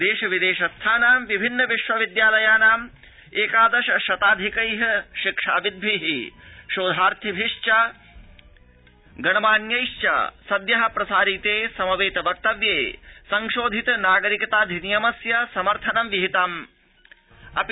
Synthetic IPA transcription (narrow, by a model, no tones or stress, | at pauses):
d̪eːʃɐʋid̪eːʃɐst̪ʰaːnaːmʋibʱinːɐʋiʃʋɐʋid̪jaːlɐjaːnaːm | eːkaːd̪ɐʃɐʃɐt̪aːd̪ʱikɐjɦɐʃikʂaːʋid̪̚ʋiɦiʃoːd̪ʱaːɾt̪ʰibʱiʂt͡ʃa | ɡɐnɐmaːnjɐjʃt͡ʃɐ̰sɐd̪jɐɦɐpɾɐsaːɾit̪eːsɐmɐʋeːt̪ɐʋɐk̚t̪ɐʋjeːsɐŋʃoːd̪ʱit̪ɐnaːɡɐɾikɐt̪aːd̪ʱinijɐmɐsjɐsɐmɐɾt̪ʰɐnɐmʋiɦit̪aːm | ɐp